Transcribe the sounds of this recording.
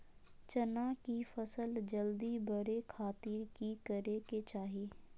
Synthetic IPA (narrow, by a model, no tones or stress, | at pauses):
t͡ʃənakifəsəld͡ʒəld̪ibəɽekʰaːt̪iɾkikəɾeket͡ʃaːɦeː